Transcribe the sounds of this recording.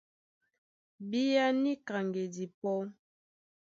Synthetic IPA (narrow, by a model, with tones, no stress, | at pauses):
bi˦ja˦ni˦ka˨ŋɡe˨di˨pɔ˦